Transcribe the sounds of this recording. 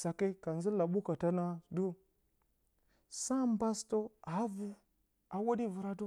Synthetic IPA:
sa˨ke˦ka˨nzi˦la˨ɓu˦ka˨ta˦na˦du˦ | sa˦mba˦sto˦a˨˦vu˨ | a˨wo˦di˦vu˨ɾa˨do˦

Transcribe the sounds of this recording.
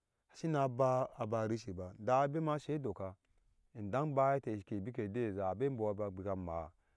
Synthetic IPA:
a˨ʃi˦na˨˦ba˦a˨ba˨ɾi˦ʃi˨ba˨da˨be˦ma˦ʃe˦do˨ka˨ | i˨n˨da˦ŋba˦je˦te˨i˨ʃke˨bi˦ke˨de˦˨za˨a˨be˦bo˨wa˨ba˨ɡ͡bi˨ka˨ma˨

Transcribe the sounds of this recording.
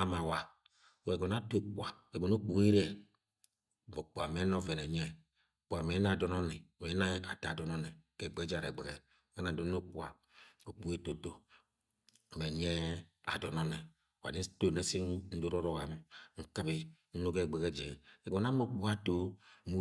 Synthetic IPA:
a˦ma˨wa˨ | we˨ɡo˨na˦to˦k͡pwa˨e˨ɡo˨no˦k͡pu˨e˦ɾɛ˦˨ | bo˨k͡pu˨a̰˨me˦no˦vɛ˨nɛ˨ɲɛ˦˨ | k͡pu˨a˨me˨˦na˦˨dɔ˦nɔ˦nɛ˨me˨˦na˦a˨ta˨dɔ˦nɔ˦nɛ˨kɛ˨ɡ͡be˦d͡ʒa˨ɾḛ˨ɡ͡be˨ɡɛ˨ | e˦na˨do˦no˦k͡pu˦a˨ | o˨k͡pu˨˦e˦to˨to˦˨ | me˨ɲɛ˦a̰˨dɔ˨nɔ˦nɛ˨ | wa̰˨ni˦to˦˨ne˦si˦n̩˦do˦ɾo˦ɾo˦˨wa˨me˨ŋ̩˨ka˦bi˨ | n̩˦no˦ɡe˦˨ɡ͡be˨ɡɛ˦d͡ʒɛ˨ɛ˨ɡo˨n˦a˦mo˦k͡pu˦a˦to˦mu˦

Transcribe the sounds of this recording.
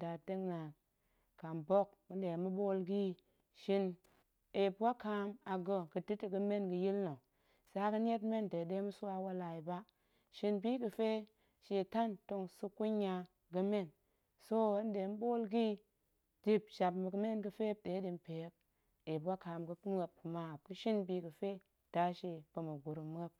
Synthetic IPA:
da˨te˦ŋna˨ | ka˨mbo˦k̚ː | ə˦n˦de˨mu˦ɓo˦lɡi˦ | ʃi˧n | e˨pɡa˦ka˧˦ma˨ɡo˨kɨ˨di˦ti˨ɡə˧me˦nɡə˨ji˦lno˨ | sa˨˦kə˦n˦je˦tme˦nde˨de˦mu˦su˦wa˧wa˦la˨ji˨ba˦ | ʃi˧nbiː˦kə˧fe˦ | ʃe˨ta˦nto˧ŋsu˧ku˦ɲa˧ | ɡə˦me˦˨n | so˦n˦de˨˦n˦ɓo˦lɡi˦ | di˦pʃa˨pmə˨kə˨˦me˦nɡə˧fe˦ɗe˨˦di˨npe˨˦k̚ | e˨pwa˦ka˨mɡə˦m˦ə˦p̚kə˨ma˨kə˦ʃi˦nbi˨ɡə˨fe˦ | d̥a˦ʃe˨pə˨mə˨ɡu˨ɾu˨m˦ə˦p̚

